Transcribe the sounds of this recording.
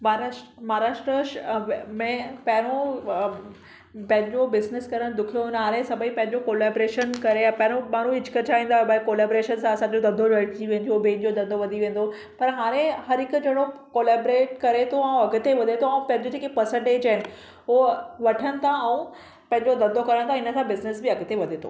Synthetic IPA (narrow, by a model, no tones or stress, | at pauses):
maɾmɐɦaɾaːʃʈɾəʃmẽpɐ̃ɦɪɾ̃o | pɐ̃ɦɪ̃ɲd͡ʑobɪznɪskɐɾəɽ̃d̪ʊkʰijonɦaːɾẽsɐbʱəipɐ̃ɦɪ̃ɲd͡ʑokoːleːbɾeːʃənkɐɾeapɐ̃ɦɪɾ̃omaːnũɪd͡ʑʰʱkɐt͡ɕʰaʋĩːnd̪aːɦobakoːleːbɾeːʃənsãɐsãːɲd͡ʑod̪ɐnd̪ʱoɐʈt͡ɕiʋẽːnd̪ijobeɪ̃nd͡ʑod̪ɐ̃nd̪ʱoʋɐd̪ʱiʋẽːn̆d̪o | pɐɾɦaːɾ̃ẽhɐɾɦɪkʊd͡ʑɐɽokoːleːbɾeːʈ̚kɐɾet̪ʰoãũɐɡʊt̪eʋɐd̪ʱet̪ʰoɐ̃pɐ̃ɦɪ̃ɲd͡ʑod͡ʑeːkepəɾsẽɳʈeːd͡ʑɐɦɪnɪ̆ | ʋɐʈʰəñɪ̆t̪ʰãɐũ | pɐ̃ɦɪ̃ɲd͡ʑod̪ɐ̃nd̪ʱokɐɾəɽ̃t̪ʰãɪnə̆sãbɪznɪsbɪɐɡt̪eʋɐd̪ʱet̪ʰo̰